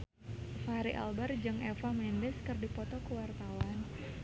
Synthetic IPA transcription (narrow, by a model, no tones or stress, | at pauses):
faɾiʔa̰lbard͡ʒɨŋɛfamɛndɛskɨrdipɔt̪ɔkəwart̪awan